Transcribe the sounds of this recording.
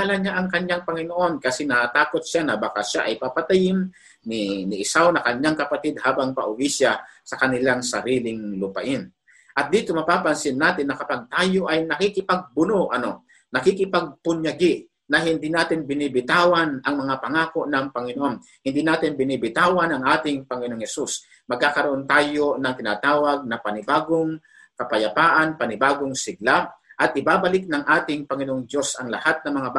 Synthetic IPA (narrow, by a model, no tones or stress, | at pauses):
alaɲaʔɐŋkɐɲjaŋpɐŋɪnoʔonkɐsɛnɐat̪aːkot̪̚ʃanɐbakaʃaʔɐjpapat̪ajɪn | nɪnɪʔɪsawnɐkɐɲːaŋkɐpat̪ɪd̪̚haːbaŋpɐ̰ʔʊwisjasɐkɐnɪlaŋsɐɾiːlɪŋlʊpɐ̰ʔɪn | ʔɐt̪̚d̪iːt̪omɐpaːpɐnsɪnːaːt̪ɪnːɐkɐpɐɡ̚t̪aːjo̞ʔɐjnɐkikɪpaɡ̚bʊnoʔɐno̞ | nɐkɪkɪpaɡ̚pʊɲjɐɡɪ | nɐhɪnd̪iːnaːt̪ɪnbɪnibɪt̪aːwanʔɐŋmɐŋapɐŋaːko̞ʔnɐŋpɐŋɪnoʔon | hɪnd̪inaːt̪ɪnbɪnibɪt̪aːwanɐŋʔaːt̪ɪŋpɐŋɪnooŋhɛsus | mɐɡ̚kakɐɾoʔont̪aːjonɐŋt̪ɪna̰ːt̪aːwɐɡ̚nɐpɐnɪbaːɡoŋ | kɐpɐjapaːʔɐnpɐnɪbaːɡoŋsɪɡ̚laʔɐt̪̚ɪbaːbɐlɪk̚nɐŋʔaːt̪ɪŋpɐŋɪnoʔoŋd̪jo̞sʔɐŋlɐ̰hat̪̚nɐŋmɐŋab